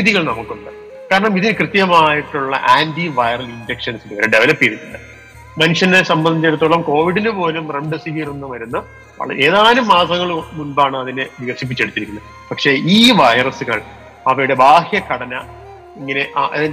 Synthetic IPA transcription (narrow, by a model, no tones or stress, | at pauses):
iðiɣɐɭnɐmukːuɳɖɨ | kaːɾɐɳɐmiðinɨkrɨt̪jɐmaːjiʈːuɭːɐ̰ʔaːndiʋɐjrɐlind͡ʑekʂɐnsinɨʋɐɾɐɖeʋɐlɐpːiɾunːuɳɖɨ | mɐnuʂɐnesɐmbɐnːit͡ɕːeɽut̪ːoɭːɐmko̞ːʋiɽinɨpo̞ːlumreɳɖɨsiɦirenːɨʋɐɾunːɐ | ʋɐ̰ɭɐ̰e̞ːðaːnumːaːsɐŋːɐɭmunbaːɳɨɐðineʋiɣɐʂip̬ːit͡ɕːeɽut̪ːiɾikʲːunː | pɐkʂe̞ːiːʋɐjrɐsɨɣɐɭ | ɐʋɐɾuɽe̞baːhjɐkɐɽɐnɐ | iŋːɐne̞ʔʔ